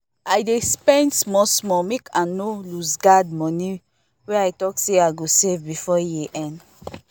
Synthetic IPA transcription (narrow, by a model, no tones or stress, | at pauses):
ajdespɛ̃ndsmɔsmɔmekanolusɡadmɔ̃ni | wɛajtɔkseaɡosevbifɔjiʔɛ̃n